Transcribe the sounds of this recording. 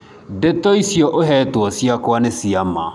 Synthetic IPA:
detɔisjɔʔoɦɛtwɔsiakwanesiama

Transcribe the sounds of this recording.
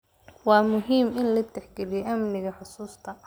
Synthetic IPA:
wɑːmʊɦiːmɪnlɐt̪ʰɛħɡɛlijɛʔɐmnɪɣɐħʊsuːst̪ʰɐ

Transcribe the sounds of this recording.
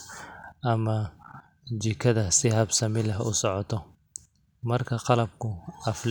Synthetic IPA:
ʔɐmɐ | t͡ʃɪkʰɐðɐsɪhɐbsɐmɪlɛɦʊ̰sɔʕɔt̪ʰɔ | mɐrkʰɐqɑlɐb̚kʰʊʔɐfl

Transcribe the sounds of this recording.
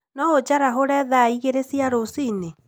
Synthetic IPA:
nɔod͡ʒaɾaɦoɾɛðaiɣeɾesiaɾosine

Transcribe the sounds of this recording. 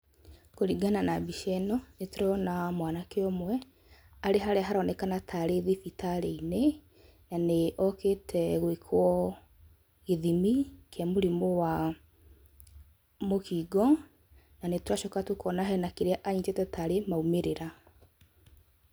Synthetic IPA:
koɾiɡananabiʃɛnɔnetuɾɔnamwanakeomwɛ | aɾeɦaɾɛaɦaɾɔnɛkanatʰaɾeðifitaɾeine | naneʔɔketʰɛɣwekʰwɔ | ɣeðimikʰɛmoɾimowa | mokiːɡɔ | nanetwaʃɔkatukɔnaɦɛnakeɾeaʔaɲitetɛtaɾemaumeɾeɾa

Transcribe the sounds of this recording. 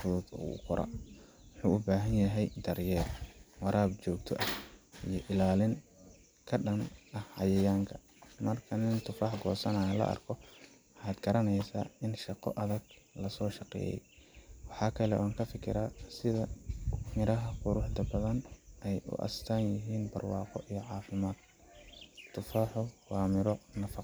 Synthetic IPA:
fʊðʊd̪ʊ̰qʊɾʔa̰ | wħuːʔʊbaːɦɐnjɐɦɛjd̪ɐrjɛːrwɑɾʔaːb̚t͡ʃɔːɡ̚t̪ʰɔ̰ʔɐʔijɞʔɪlaːlɪŋ | kʰɐɗɐnɐhhɐjɐjaːŋkʰɐ̥ | mɐrkʰɐnɪnt̪ʰʊfɑħɡɔːsɐnaːjɐlɐ̰ʔɐ̰rkʰɔ | ħɑːd̪ɡɐɾɐnɛjsa̰ːɪnʃɑqɔ̰ʔɐðɐɡ̚lɐsɔːʃɑqɛ̰ːjɛ̰jwɑħɑːkʰɐlɛʔɔːŋkʰɐfɪkʰɪ̰ɾaːsɪðɐmɪɾɐɦɐqʊɾʊħd̪ɐbɐðɐnʔɛjʊ̰ʔɐ̰st̪ʰaːnjɪɦiːnbɐ̰rwɑːqɔʔijɔʕɑːfɪmaːd̪̥̚ | t̪ʰːʊfaːħʊwaːmɪɾɔnɐfɑq

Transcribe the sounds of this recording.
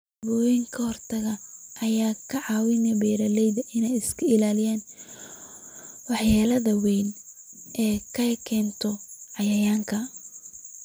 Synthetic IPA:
bɔːjɪŋkʰɐhɔrt̪ʰɐɣɐɐjaːkʰɐʕɑːwɪnɐbɛːɾɐlɛjðɐʔɪnɛjɪskʰɐɪlaːlɪjaːn | wɑħjaːlɐðɐwɛjn | ʔɛːkʰɐkʰɛːnt̪ʰɔʕɑjɐjaːŋkʰɐ

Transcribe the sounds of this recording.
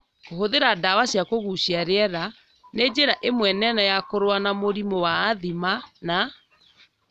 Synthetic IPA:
koɦoðeɾadawaɕjakoɣuɕiaɾɛɾa | ned͡ʑeɾaʔemwɛnɛnajakoɾwanamoɾimowaːðimana

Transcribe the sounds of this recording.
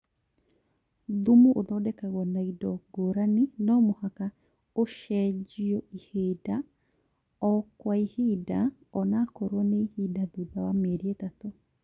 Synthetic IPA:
ðumuʔoðɔdɛkaɣɔnaidɔɡoɾaninɔmohaka | oʃɛd͡ʒiɔiheda | ɔkwaihida | ɔnakoɾwɔnehidaðuðawamɛɾietato

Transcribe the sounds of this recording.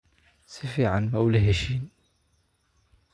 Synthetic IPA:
sifiʕanmawlɦæʃin

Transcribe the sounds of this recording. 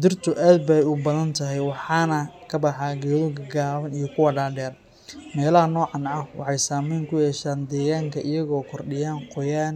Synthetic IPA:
d̪ɪrt̪ʰʊʔaːd̪̚bɛjʊbɐðɐnt̪ʰɐɦɛjwɑħɑːnɐkʰɐbɑħɑːɡɛːðʊɡɐɡaːβɐnijɔkʰʊwɐɖaːɖɛːr | mɛːlɐɦɐnɔːʕɑnʕɐwʔɑ̰ħɑjsaːmɛjŋkʰʊjɛːʃaːnd̪ɛːɣaːŋkʰɐɪjɐɣɔːkʰɔrɖɪjaːnqɔjaːn

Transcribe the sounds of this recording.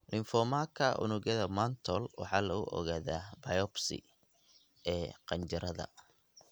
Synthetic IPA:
lɪnfɔmakʰɐʔʊ̰nʊɣɐðɐmant̪ʰɔlwɑ̰ħɑːlɐɣʊ̰ʔɔ̰ɣaːðaːbɐjɔbsɪ̰ | ɛːqɑɲt͡ʃɪɾɐðɐ̰

